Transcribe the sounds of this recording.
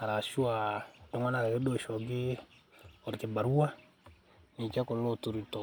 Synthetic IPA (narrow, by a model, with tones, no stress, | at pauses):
a˨ɾa˨ʃu˦a˨dɔ˦ŋɔ˦na˨ka˨kɪ˦dɔ˦˨ʃɔ˨ɡɪ˦ | ɔ˨ɾkɪ˨ba˨ɾu˦a˦ | ni˨t͡ʃɛ˦kɔ˨lo˦tu˨ɾi˨tɔ˨